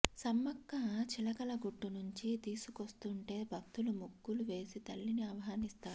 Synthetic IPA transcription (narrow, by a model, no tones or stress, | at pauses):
sɐmːɐkːɐt͡ʃilɐkɐlɐɡuʈːunuɲt͡ʃit̪iːsukost̪uɳʈe̞ːbʱɐk̚t̪ulumuɡːuluʋe̞ːsit̪ɐlːiniɐʋɐɦaːnist̪aːɾu